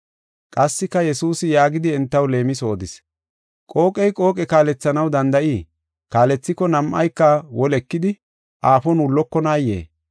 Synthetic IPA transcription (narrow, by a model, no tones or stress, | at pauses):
kʼɐsːɪkːɐjɛsuːsɪjaːɡɪd̪ɪɛnt̪ːɐwle̞ːmɪso̞ːd̪ɪs | kʼo̞ːkʼɛjkʼo̞ːkʼɛkaːlɛt͡sːɐnɐwd̪ɐnd̪ɐʔiː | kaːlɛt͡sːɪkɔnɐmʔɐ̰jkːɐwɔlɛkːɪd̪ɪ | ʔaːfɔnʊlːɔkːɔnaːjːḛː